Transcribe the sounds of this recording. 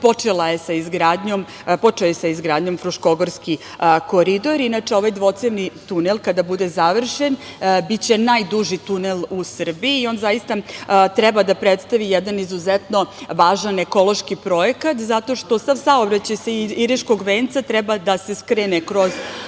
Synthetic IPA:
po̞t͡ʃelajesaizɡɾaːd̪ɲo̞m | po̞t͡ʂeojesaizɡɾaːd̪ɲo̞mfɾuʃko̞ɡoɾski | ko̞ɾid̪o̞ɾinat͡ʂeo̞ʋajd̪ʋo̞t̪sevnit̪unelˠkad̪abud̪ezaʋr̩ʃenbit͡ɕe̞najd̪uʒit̪unelˠusr̩biiːo̞nzajist̪at̪ɾɛbad̪apɾet̪st̪aʋijɛd̪anizuzɛt̪no̞ʋaːʒaneko̞lˠo̞ʃkipɾo̞ekat̪zat̪o̞ʃt̪o̞saʋsaobɾat͡ɕajseiiɾiʃkoɡʋeːnt̪sat̪ɾɛbad̪ase̞skɾenekɾo̞z

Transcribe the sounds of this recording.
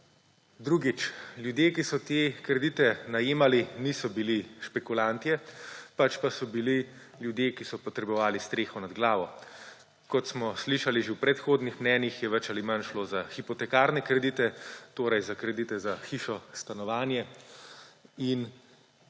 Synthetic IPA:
d̪ɾuɡit͡ʃljud̪jeːkisɔt̪ekɾɛd̪it̪ɛnajeːmalinisɔbiliʃpɛkulant̪ijɛpat͡ʃpasɔbili | ljud̪jekisɔpɔt̪ɾɛbɔʋaːlist̪ɾeːxɔnad̪ɡlaːʋɔ | kɔt̪smɔsliʃaliʒewpɾɛt̪xoːd̪nixmnɛːnjixjɛʋɛt͡ʃalimanʃloːzaxipɔt̪ɛkaːɾnɛkɾɛd̪iːt̪ɛt̪oːɾɐjzakɾɛd̪it̪ɛzaxiʃɔst̪anɔʋaːnjɛ | in

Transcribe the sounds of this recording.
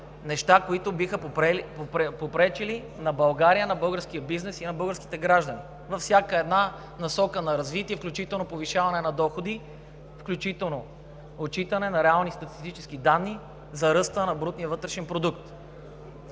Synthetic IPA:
nɛʃt̪akoit̪ʊbixəɛpopɾɛt͡ʃili | nɐbɐlˠɡaɾijənɐbɤlˠɡəɾsk̟ijəbiznɛsinɐbɤlˠɡəɾski̥t̪ɛɡɾaʒd̪əni | vɐfsʲjakəɛd̪na | nɐsɔkənɐɾɐzvit̪iɛfklʲut͡ʃit̪ɛlˠnopoviʃavɐnɛnɐd̪ɔxod̪i | fklʲut͡ʃit̪ɛlˠno | ot͡ʃit̪ɐnɛnɐɾɛalˠnist̪ɐt̪ist̪it͡ʃɛsk̟id̪anːi | zɐɾɤst̪ənɐbɾut̪nijəvɤt̪ɾɛʃɛnpɾod̪ukt̪

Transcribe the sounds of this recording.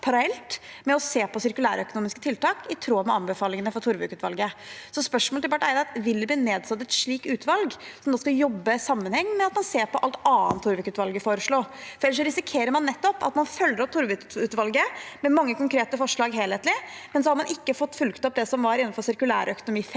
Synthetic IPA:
pʰɑɾɑɛlt̪mɛɔseːpɔsɪɾkʉlæ̰ːɾœkʊnuːmɪskə̥t̪ʰɪlt̪ɑːkɪt̪ʰɾuːɑmɛɑnbəfɑːlɪŋənəfɔɾt̪ʰʊɾʋʉkʉːt̪ʋɑ̰lɡəsɔspœʂmɔːlt̪ɪpɑʈːæɾd̪ɛɑt̪ʋɪld̪ɛbliːneːd̪sɑt̪ːɛt̪ʂɭiːkʉːt̪ʋɑlɡsɔmd̪ɔːskɑjɔbːəsɑmːənhɛŋːmɛɑt̪mɑnseːɾpɔʔɑlt̪ɑːənt̪ʰːʊɾʋʉkʉːt̪ʋɑlɡəfoːɾəʂɭoːfɾɛlːəʂ̬ɔɾɪsɪkʰeːɾəɾmɑnːɛt̪ːɔpɑ̰t̪mɑnfœlːəɾɔt̪ʰʊɾʋʉʉːt̪ʋɑlɡəmɛmɑŋːəkʊŋkʰɾeːt̪əfɔʂɭɑːɡɦeːlheːt̪lɪmɛnsɔhɑɾmɑnʔɪkːəfɔt̪ːfʉlkt̪ɔp̚d̪ɛsɔmʋɑɾɪnːɑnfɔɾsɪɾkʉlæ̰ːɾœkʊnʊmiː

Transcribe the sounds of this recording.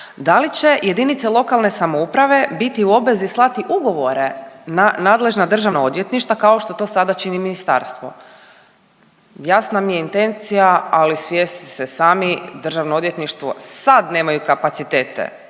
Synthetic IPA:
d̪alit͡ɕe̞je̞d̪init̪selo̞kalˠne̞samoupɾaʋe̞bit̪iuo̞bʋe̞zislˠat̪iʔuɡo̞ʋo̞ɾenanaːd̪le̞ʒnad̪r̩ʒaʋnaod̪ʋje̞t̪niʃt̪ʋakaoʃt̪o̞t̪o̞ːsad̪at͡ʃiniminist̪a̰ɾst̪ʋo̰ | jasnamijeint̪e̞nt̪sijaalisʋjest̪i̥sesaːmid̪r̩ʒaʋnoo̞d̪ʋjet̪niʃt̪ʋo̞̰sad̪ne̞ːmajukapat̪sit̪eːt̪ḛ

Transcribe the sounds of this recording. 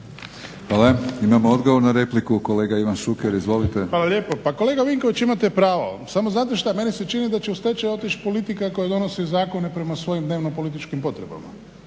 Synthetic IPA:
ʋaːlaimamood̪ɡoʋoɾnaɾe̞plikukole̞ːɡaiʋanʃukeɾizʋo̞lit̪e̞ʋaːlaʎʲje̞ːpopako̞leːɡaʋiŋkoʋit͡ʃimat̪e̞pɾaːʋo̰samoznaːt̪eʃt̪ame̞nise̞t͡ʃinid̪at͡ʃeust̪et͡ʃajo̞t̪it͡ʃpo̞lit̪ikako̞jad̪o̞no̞sizaːko̞nepɾe̞masʋo̞jimd̪neʋnopo̞lit̪it͡ʃkimpo̞t̪ɾe̞ba̰ma̰

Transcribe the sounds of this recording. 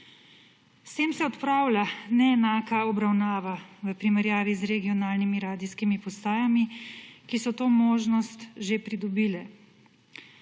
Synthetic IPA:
st̪eːmsɛɔt̪pɾaːwlanɛːnaːkaɔbɾawnaːʋaʋəpɾimɛɾjaːʋizɾɛɡiɔnaːlnimiɾaːd̪iskimipɔst̪aːjamikisɔt̪oːmoːʒnɔst̪ʒepɾid̪ɔbiːlɛ

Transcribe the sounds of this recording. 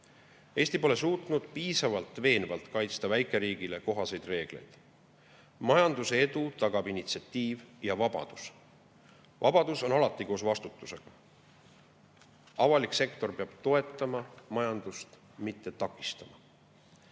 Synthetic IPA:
e̞ːsʲt̪ipo̞le̞suːt̪ˑnud̪̥piːsɑvɑlt̪ːˑve̞ːnvɑlt̪ˑkɑjt̪st̪ɑvæjkˑe̞ɾiːɡ̥ile̞ko̞ɦɑse̞jd̪̥re̞ːɡ̥le̞̰jd̪̥ | mɑjɑnd̪̥useed̪ut̪ɑɡ̥ɑb̥init̪siɑt̪ːˑiːvjɑvɑb̥ɑ̰d̪̥us | vɑ̰b̥ɑd̪̥uso̞nɑlɑt̪ːˑikoːsvɑst̪ut̪ːˑuse̞ɡ̥ɑ | ɑvɑlikse̞kt̪o̞rpe̞ɑb̥t̪o̞e̞t̪ːˑɑmɑmɑjɑnd̪̥ust̪ | mit̪ˑːe̞t̪ɑkˑːist̪ɑmɑ

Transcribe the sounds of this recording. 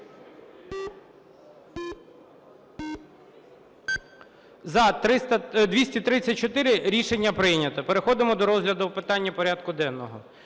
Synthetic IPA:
zɐt̪ɾɪt̪ɐd̪ʲʋʲisʲtʲit̪ɾɪt͡st͡sʲːɐt̚ʲt͡ʃɔt̪ɪɾɪɾʲiʃenʲːɐpɾɪjnʲɐt̪ɐpeɾexɔd̪ɪmɔd̪ɔɾɔzɦlʲɐd̪ʊwpɪt̪ɑnʲːɐpɔɾʲɑd̪kʊd̪ɛnːɔɦɔ

